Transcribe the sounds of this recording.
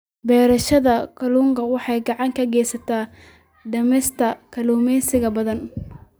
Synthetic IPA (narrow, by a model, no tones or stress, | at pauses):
bɛːɾɐʃɐðɐkʰɐluːŋkʰɐwɑħɑjɡɑʕɑŋkʰɐɡɛːjsɐt̪ʰaː | ɖɐmɛst̪ʰɐkʰɐluːmɛjsɪɣɐbɐðɐn